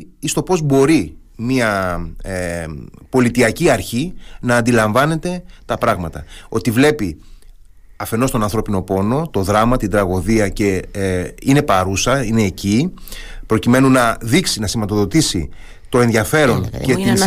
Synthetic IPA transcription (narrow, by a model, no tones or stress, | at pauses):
ist̪o̞po̞zbo̞ɾi | miɐ | po̞lit̪iɐciɐɾçinɐːnd̪ilɐɱvɐne̞t̪e̞t̪ɐpɾɐɣmɐt̪ɐo̞t̪ivle̞pi | ɐfe̞no̞st̪o̞nɐnθɾo̞pino̞po̞no̞t̪o̞ðɾɐmɐt̪ind̪ɾɐɣo̞ðiɐce̞ | ine̞pɐɾusɐine̞ːcipɾocime̞nunɐðiksinɐsimɐt̪o̞ðo̞t̪isḭ | t̪o̞e̞nðʝɐfe̞ɾo̞ŋcet̪